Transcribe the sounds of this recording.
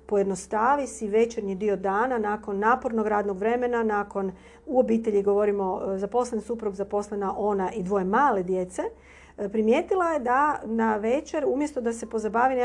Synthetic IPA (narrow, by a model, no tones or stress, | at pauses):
po̞jed̪no̞st̪aːʋisiʋe̞t͡ʃeɾɲid̪io̞d̪aːnanaːko̞nːaːpo̞ɾnoɡɾaːd̪noɡʋɾe̞me̞nanaːko̞n | uo̞biːt̪eʎiɡo̞ʋo̞ɾimo̞zapo̞slensupɾuɡzapo̞slenaʔo̞naʔid̪ʋo̞jemaːle̞d̪je̞t̪se̞ | pɾimjeːt̪ilˠaje̞d̪anaʋet͡ʃeɾumje̞st̪o̞d̪ase̞po̞zabaːʋine